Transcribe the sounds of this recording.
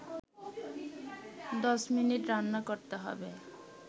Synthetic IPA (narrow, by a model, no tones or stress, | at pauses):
d̪ɔsminiʈɾanːakɔɾt̪eɦɔ̰be